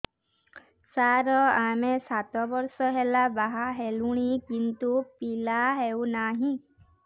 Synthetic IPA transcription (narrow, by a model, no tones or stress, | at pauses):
saɾɔamesat̪ɔbɔɾsɔɦelabaɦaɦeluɽ̃ikint̪upilaɦewnaɦĩ